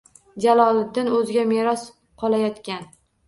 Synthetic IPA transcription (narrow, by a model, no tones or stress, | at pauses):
d͡ʒalɒlˠɪd̪ɪnɵzɪɡʲameɾɒs | qʰɒlˠajɒt̪kʲan